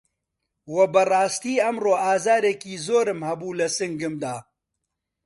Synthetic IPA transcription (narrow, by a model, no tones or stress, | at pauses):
wɐbɨrɑːst̪iːɐmroːaːzaːɾeːkiːzoːɾɨmhɐbuːlɐsɨŋɡɨmd̪aː